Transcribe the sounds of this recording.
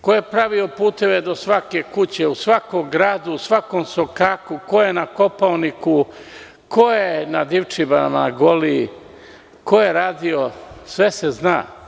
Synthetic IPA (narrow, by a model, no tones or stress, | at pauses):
kojepɾaʋio̞puːt̪e̞ʋe̞d̪o̞sʋake̞kut͡ɕeusʋakoɡɾaːd̪uusʋakoːmso̞kakuko̞jenako̞paoniku | kojenad̪iʋt͡ʃibanamanaɡoli | ko̞jeɾaːd̪iosʋe̞sezna̰ː